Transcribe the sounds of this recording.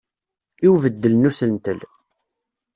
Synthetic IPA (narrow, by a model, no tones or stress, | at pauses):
iwvəd̪ːəlnusəlnt̪əl